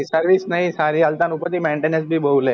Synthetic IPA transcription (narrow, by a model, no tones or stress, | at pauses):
səɾʋisnaɦĩsaɾiəlt̪anupət̪iːmẽɳʈenẽsbʱiːbʱəwle